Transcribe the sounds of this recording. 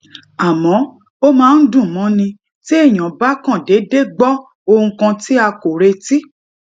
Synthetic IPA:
a˨mɔ̃˨˦ | o˦mãː˦˧˦n̩˦dũ˦˨mɔ̃˨˦nĩ˧ | ti˦e˦˨j̃ã˨ba˦kã˦˨de˨˦de˦ɡ͡bɔ˦ | o˧hũ˧kã˧ti˦a˧ko˨ɾe˧ti˦

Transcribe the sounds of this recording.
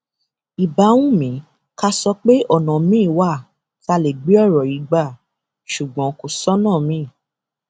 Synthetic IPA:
i˨ba˨˦wũ˦mĩ˨˦ | ka˧sɔ˧k͡pe˦ɔ˦˨nɔ̃˨mĩ˦˨wa˦˨ | ta˧le˨ɡ͡bi˨˦ɔ˦˨ɾɔ˨i˨˦ɡ͡ba˦˨ | ʃu˨ɡ͡bɔ̃˨˦ko˨sɔ˦nãː˦˨mĩ˦˨

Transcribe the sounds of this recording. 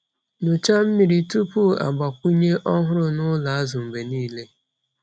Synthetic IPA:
nʊ˨t͡ʃa˦m̩˦mi˨ɾi˨tu˦pu˦a̰˨ɡ͡ba˨kʷu˦ɲe˦ʔɔ˦ɦʊ˦ɾʊ˦nʊ˦la˨a˦zʊ˨m̩˨be˨niː˦le˦

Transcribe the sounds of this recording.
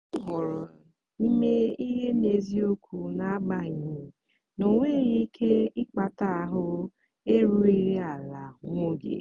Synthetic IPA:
ʊ˦ɦʊ˨ɾʊ˨ | i˦me˦i˦ɦe˦ne˨zi˦o˦kʰu˨na˨a˦ɡ͡ba˦˨ɲi˨ | no˨ŋʷe˦ɾi˦kʰe˦ɪ˦k͡pa˨ta˦a˦˨ɦʊ˦ | e˦ɾu˦i˦ɾi˦a˨la˨ŋʷo˦ɡḛ˨

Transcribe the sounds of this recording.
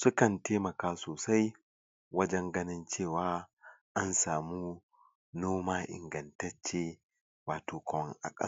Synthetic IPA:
sʊ˦kɐ˨nteː˦mɐ˨kaː˦soː˨sa˦j | wɐ˦d͡ʒɛ˦ŋɡɐ˦nɪ˦nt͡ʃeː˦˨waː˦ʔa˦nsaː˨muː˦ | noː˦maː˦ʔɪ̰˨ŋɡɐ˨ntɐ˦t͡ʃːe˦ | waː˨toː˨kɐ˨wɔ˦ŋʔa̰˨kʼɐ˦˨

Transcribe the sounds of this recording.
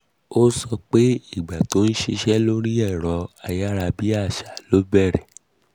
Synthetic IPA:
o˦sɔ˧k͡pe˦i˦˨ɡ͡ba˨to˨˦n̩˦ʃi˧ʃɛ˦lo˦ɾi˦ɛ˦˨ɾɔ˧˦a˧ja˦ɾa˧bi˦a˦˨ʃa˨lo˦bɛ˦˨ɾɛ˨

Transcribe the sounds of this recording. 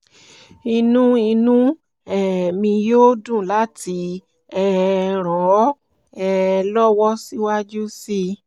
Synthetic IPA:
i˧nũ˦i˧nũ˦ | ɛ˨mĩ˧joː˦dũ˦˨la˨˦ti˧ | ɛ˦ɾ̃ɔ̃˨˦ | ɛ˦˧lɔ˦wɔ˦si˦wa˦d͡ʒu˦si˦

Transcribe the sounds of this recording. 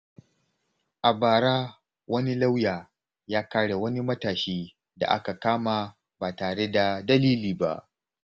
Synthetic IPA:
ʔa˨baː˨ɾaː˦ | wɐ˦ni˦la˦wjaː˨ | jaː˦kaː˦ɽe˨wɐ˦ni˦mɐ˦taː˨ʃiː˦ | da̰˨ʔa̰˦ka˨kaː˦ma˨ | ba˨taː˨ɽe˦da˨dɐ˦liː˦liː˨ba̰˦ʔ

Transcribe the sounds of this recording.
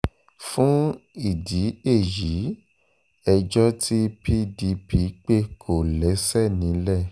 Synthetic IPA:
fũ˦i˦˨di˨˦e˦˨ji˨˦ | ɛ˧d͡ʒɔ˦tʰi˦pi˦di˨˦pi˨˦k͡pe˦kʰo˨lɛ˨˦sɛ˦˨nĩ˨˦lɛ˦˨

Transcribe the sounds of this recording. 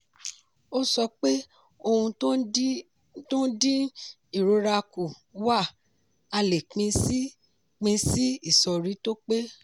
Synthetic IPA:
o˦sɔ˧k͡pe˦ | o˧hũ˧˦ | tõ˦dĩ˦ | i˦˨ɾo˨˧˦ɾa˧ku˨ | wa˦˨ | a˧le˨k͡pĩ˧˦ | k͡pĩ˧si˦i˦˨sɔ˨ɾi˨˦to˦k͡pe˦

